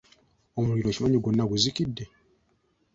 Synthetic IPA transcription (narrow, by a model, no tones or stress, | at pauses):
omuliɾo̞cimaɲiɡonːaɡuzikidːe̞